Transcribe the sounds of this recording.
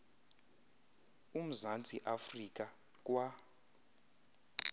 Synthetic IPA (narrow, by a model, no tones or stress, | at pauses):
um̩zant͡sʼḭʔafrik̬ʼa | k̬ʼwa